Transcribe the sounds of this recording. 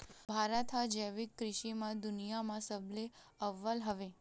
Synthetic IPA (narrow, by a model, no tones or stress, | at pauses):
bʱaɾat̪ʰad͡ʒəjʋikːɾɪʃimãd̪ʊnijamãsəble | əʋːəlɦəʋe